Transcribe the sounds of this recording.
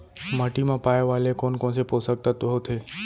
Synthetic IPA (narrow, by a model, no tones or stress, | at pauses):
məʈimãpajʋalekonkõnseposək̚t̪at̪oɦot̪ʰe